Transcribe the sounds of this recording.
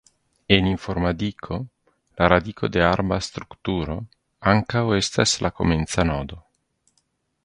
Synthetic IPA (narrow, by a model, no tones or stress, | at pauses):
eniɱfoɾmad̪ikʰo | laɾad̪ikʰod̪eaɾbast̪ɾukt̪uɾo | aŋkawest̪aslʔako̰ment̪sanɔd̪o